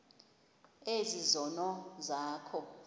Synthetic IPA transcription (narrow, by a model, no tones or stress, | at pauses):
ezizɔnɔzaːkʰɔ